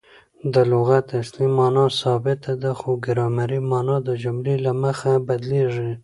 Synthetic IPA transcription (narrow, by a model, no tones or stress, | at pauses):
d̪əlʊɣat̪aslimɑnɑsɑbɪt̪ad̪axoɡɪɾɑmaɾimɑnɑd̪əd͡ʒʊmlelaməxabad̪leʐi